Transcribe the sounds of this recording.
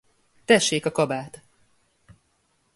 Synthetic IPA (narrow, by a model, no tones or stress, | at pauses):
t̪ɛʃːeːkɒkɒbaːt̪